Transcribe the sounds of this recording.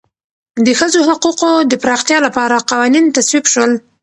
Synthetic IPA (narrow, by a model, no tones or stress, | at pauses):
d̪əxəzoɦaquqod̪əpɾɑxt̪jɑlapɑɾaqɑwɑnint̪aswibʃwəl